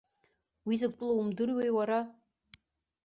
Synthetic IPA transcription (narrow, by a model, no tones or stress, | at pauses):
wizɨkʷʼpʷʼʊloumdɨrwejwaɾa